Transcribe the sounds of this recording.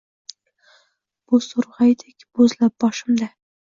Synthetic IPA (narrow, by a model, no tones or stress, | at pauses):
b̥ʊsʊɾʁɑjd̪ekʲb̥ɵzlap̚bɒʃɪmd̪a